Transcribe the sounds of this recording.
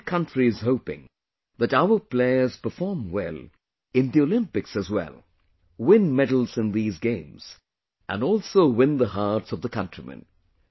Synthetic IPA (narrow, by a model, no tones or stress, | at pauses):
kʰʌ̃nt͡ʃɹ̥iɨz̥hoʊpɪ̰̃ŋ | ðɨɾaʊə˞pʰl̥eɪə˞z̥pə˞fɔɹmwɛ̰lˠ | ɨ̃nðiolɪ̃mpɨksɨzwɛ̰lˠ | wɪ̃nmɛdl̩ˠzɨ̃nðizɡẽɪ̃mz̥ | ʔə̰̃nɔlˠsoʊwɪ̃nðəɦɑɹtsʌvðəkʰʌ̃ntɹ̥imɨ̰̃n